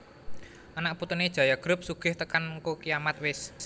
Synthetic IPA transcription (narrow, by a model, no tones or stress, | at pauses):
ʔanaʔput̪ʊned̥ʒ̥a̤jaɡ̥ɾʊp̚suɡ̥ɪ̤ht̪əkankokijamat̪̚wɪs